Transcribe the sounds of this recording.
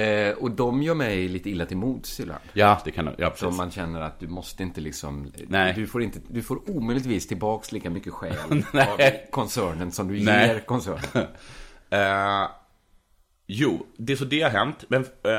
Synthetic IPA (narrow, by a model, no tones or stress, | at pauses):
ɔd̪ɔmjœːmɛjliːt̪əɪlːat̪ɪlmuːd̪sɪbla̰nd̪jɑːd̪ɛkʰand̪̰jɑ̰ːɾsɔmmːanɕɛnːəɾa̰t̪̚d̪ɵmɔst̪əɪnt̪əlɪksɔ̰mnɛd̪ɵfoːɾɪnt̪əd̪ɵfoːɾuːmœjlɪt̪viːst̪ʰɪlbɑːksliːkamʏkːəɧɛ̰ːlvkʰɔnsæːɳənsɔmd̪ɵjeɾkʰɔnsæːɳən | juːd̪ɛsɔd̪ɛhaɾɦɛnt̪mɛn